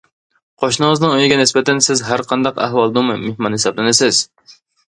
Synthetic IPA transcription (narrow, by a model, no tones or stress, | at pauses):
qʰoʃnɨŋəznɨŋøjɡʲɛnɪsbɛt̪ɛnsɪzɦæɾqʰɑnd̪ɑqæ̰hwɑlˠd̪umɨmehmɑnhesɑblˠɨnɪsɪz̥